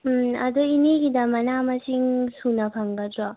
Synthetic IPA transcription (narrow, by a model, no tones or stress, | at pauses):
ɐ̰d̪ɔineɡidɐmɐnamɐsiŋsunɐpʰaŋɡɐdɾɔ